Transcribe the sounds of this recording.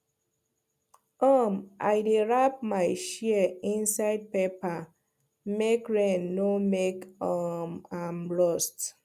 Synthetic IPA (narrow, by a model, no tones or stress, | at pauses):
ɔmʔa̰jdeɹap̚maɪʃiəĩnsaɪd̚pepa | mekɹenːomekɔmamlɔst